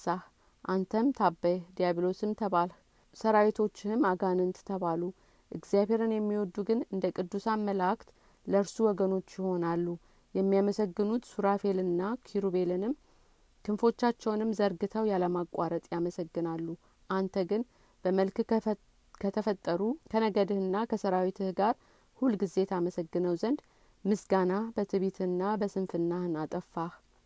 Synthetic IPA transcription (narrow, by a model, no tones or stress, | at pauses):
sah | ʔant̪ʰəmt̪ʰabːəjd̪ijaβlo̞sɨmt̪ʰəβal | səɾawet̪ʰo̞t͡ʃːɪhɨmaɡanɨnt̪t̪ʰəβalu | ʔɨɡzijaβe̞ɾɨnjɛmːiwɔd̪ːuɡɨnɨnd̪əkʼɨd̪ːusamːəlakt̪ | ləɨɾsuwɔɡəno̞t͡ʃːjɪho̞nalːu | jɛmːijaməsəɡːɨnut̪suɾafe̞lɨnːakʰiɾuβe̞lɨnɨm | kʰɨnfo̞t͡ʃːat͡ʃːɛwnɨmzəɾɡɨt̪ʰəwjaləmakʼwaɾət̪ʼjaməsəɡːɨnalːu | ʔant̪ʰəɡɨn | b̥əməlk | kʰət̪ʰəfət̪ʼːəɾukʰənəɡəd̪ɨhɨnːakʰəsəɾawit̪ʰɨhɡaɾ | hulɡɨze̞t̪ʰaməsəɡːɨnəwzənd̪ | mɨsɡanabət̪ʰɨβit̪ʰɨnːabəsɨnfɨnːaɨnat̪ʼəfːah